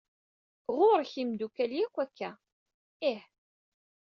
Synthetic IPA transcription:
ʁʊɾˤçimd̪ukæljækʷːækʰːæ | ɪħ

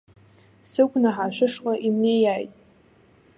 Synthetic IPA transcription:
sɨɡʷʼnaħaʃʷᶣɪʂqʼaʔimnejajtʼ

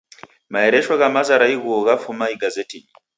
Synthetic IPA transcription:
maɛɾɛʃwaɣamazaɾaiɣuɔɣafumaiɡazɛtʰini

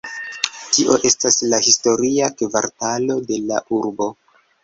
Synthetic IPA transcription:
tiʔo̞ʔe̞staslahisto̞ɾiakvaɾtalo̞de̞laʔuɾbo̞

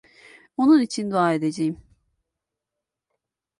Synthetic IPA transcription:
onunit͡ʃʰind̪uaːe̞d̪e̞d͡ʒejim

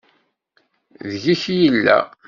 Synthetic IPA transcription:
ðʝiçjəlːæ̰

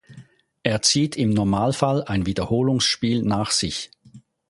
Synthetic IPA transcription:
ʔeːɐt͡siːtʰɪmnɔɐmaːlfalaɪnviːdɐhoːlʊŋsʃpiːlnaːχz̥ɪç

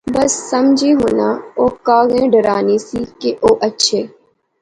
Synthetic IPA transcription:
bəsːəmd͡ʒʱiːɦʊːnaːoːkaːɣẽːɖəɾaːniːsiːkeʔoːʔətːʃʰeː

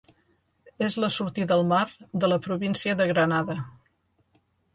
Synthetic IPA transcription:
ezləsuɾt̪iðəlˠmaɾd̪ələpɾuβinsiəðəɣɾənaðə

